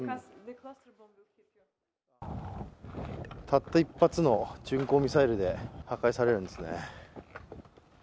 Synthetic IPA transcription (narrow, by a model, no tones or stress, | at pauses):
t̪ʰat̪ːaipːat͡sɨno̞t͡ɕɨ̃ŋko̞ːmʲisaiɾɯ̟d̪e̞hakaisaɾe̞ɾɯ̟nd̪e̞sɨnḛ